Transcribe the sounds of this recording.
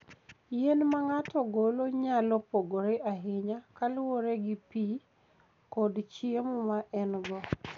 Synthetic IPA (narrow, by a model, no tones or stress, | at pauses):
jenmaŋatɔɡoloɲalɔpoɡoɾeʔaɦɪɲakalwoɾeɡɪpi | kɔdt͡ʃiemɔmaʔɛnɡɔ